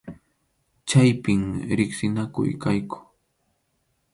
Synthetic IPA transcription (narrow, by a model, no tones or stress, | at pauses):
t͡ʃajpɪmɾɪχsɪnakʊ̰jkajkʊ̥